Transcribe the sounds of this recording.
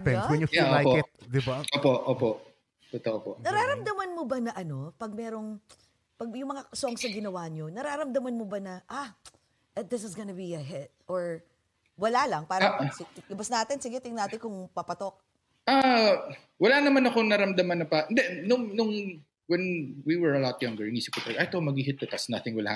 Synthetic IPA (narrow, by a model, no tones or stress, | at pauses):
pɛnwɛnjʊfillːajpoɛt̪̚d̪ɪbaoːpoʔoːpo̰ʔ | t̪ot̪oʔopoʔnɐɾaːɾɐmd̪ɐmɐnmobɐnɐʔɐno̞pɐɡ̚mɛːɾo̞ŋ | pɐɡ̚jʊŋmɐŋasoŋsɐɡɪnɐwaɲo̞nɐɾaɾɐmd̪ɐmɐnmobɐnɐʔa | ɐt̪̚d̪ɪs̬ɪsɡɐnɐbiɐɦɛt̪̚ʔoɹ | wɐlalɐŋpaːɾɐsɪlʊbɐsnaːt̪ɪnsɪɡɛt̪ɪŋnaːt̪ɪnkʊŋpɐpɐt̪ok̚ | ʔa | wɐlanɐmanɐkonɐɾɐmd̪ɐmɐnɐpaʔɛnd̪ɛnʊŋnʊŋ | wɛnwiwɛɹɐlat̪̚jaŋɡəɹniːsɪkʊt̪ɾɛɡʔajt̪omɐɡiɦɪt̪̚d̪ɛp̪ɐsnaθɪŋwɐla̰